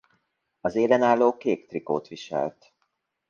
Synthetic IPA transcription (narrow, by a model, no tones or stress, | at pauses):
ɒzeːlɛnaːlːoːkeːkt̪riko̰ːt̪ʋiʃɛ̰lt̪